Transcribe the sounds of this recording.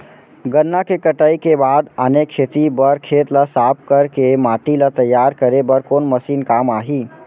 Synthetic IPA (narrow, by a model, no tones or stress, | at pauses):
ɡənːakekəʈaikebaːd̪ənekʃʰet̪ibəɾkʰeːt̪lasaːp̚kəɾkemaːʈilat̪əjːaːɾkəɾebəɾkoːnməsiːnkaːmaːɦiː